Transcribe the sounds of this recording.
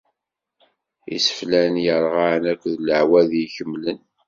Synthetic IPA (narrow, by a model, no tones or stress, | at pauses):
ḭsə̥flænjəɾˤʁanækʷːðləʕwæðjiçəmːlən